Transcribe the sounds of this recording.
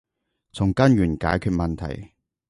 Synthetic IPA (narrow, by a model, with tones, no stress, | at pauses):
t͡sʰʊ˨˩ŋkɐ˥njɥyː˨˩nka̰ː˨˥jkʰyː˧t̚mɐ˨nt̪ʰɐ̰˨˩j